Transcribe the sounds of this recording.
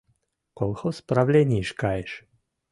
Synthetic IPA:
kolxospɾawlʲɛnʲiʃkajɛʃ

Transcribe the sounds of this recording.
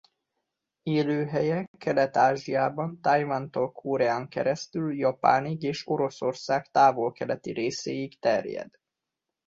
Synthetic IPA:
eːløːɦɛjɛkːɛlɛt̪aːʒijaːbɒnt̪ajvant̪olkʰoɾɛaːŋkɛ̰ɾɛst̪yljɒpa̰ːniɡeːʃo̞ɾo̞so̞rsaːkt̪aːvo̞lkɛlɛt̪ḭɾeːseːikt̪ɛrjɛ̰d̪̥

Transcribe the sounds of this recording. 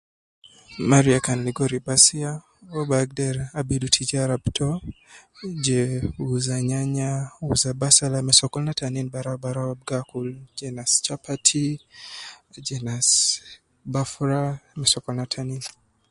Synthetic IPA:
maɾiakanliɡɔɾibasia | ɔbaɡ̚dɛɾabidutʰid͡ʒaɾabtʰɔ | d͡ʒɛuzaɲaɲauzabasalamɛsɔkɔlnataninbaɾabaɾawab̚ɡakuld͡ʒɛnast͡ʃapʰatʰi | d͡ʒɛnas | bafɾamɛsɔkɔlnatʰanin

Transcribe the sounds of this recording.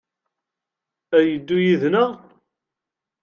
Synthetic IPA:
æjəd̪ːujiðnəʁ

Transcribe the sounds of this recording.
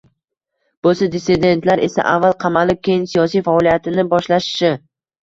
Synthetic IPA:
b̥osad̪ɪsɪd̪e̞nt̪laɾe̞sa̰ʔa̰vːalˠqʰɑmalɪp̚kʲejɪnsijɒsijfaɒlijat̪ɪnɪbɒʃlaʃɪ̥ʃɪ

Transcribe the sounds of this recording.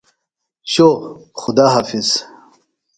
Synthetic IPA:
ɕoχʊd̪aːɦafiz̥

